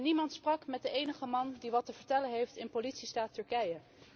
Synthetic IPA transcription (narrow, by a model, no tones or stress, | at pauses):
nimɑntsprɑkmɛt̚dəejnəχəmɑndiʋɑtəvəɹtɛlənɦejftɪnpolitsistaːtɵɹkɛjə